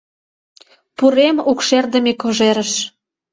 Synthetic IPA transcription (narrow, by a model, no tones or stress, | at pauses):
puɾemukʃerd̪ə̆mekoʒeɾəʃ